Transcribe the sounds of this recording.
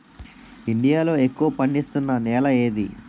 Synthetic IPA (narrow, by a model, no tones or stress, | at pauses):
iɳɖijaːlo̞ːekːuʋɐpɐɳɖist̪unːɐnɛːlɐe̞ːd̪ḭ